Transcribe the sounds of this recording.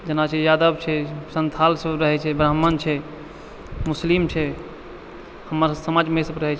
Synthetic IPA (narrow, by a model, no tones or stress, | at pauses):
d͡ʒənat͡ʃʰɛjad̪əbt͡ʃʰɛsənt̪ʰalsəbɾəɦɛt͡ʃʰɛbɾəɦmənt͡ʃʰɛ | muslimt͡ʃʰɛ | həmːəɾsəmad͡ʒmesəbɾəɦɛt͡ʃʰ